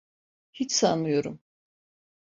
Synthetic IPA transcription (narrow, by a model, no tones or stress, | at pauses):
hit͡ʃsanɯjo̞ɾum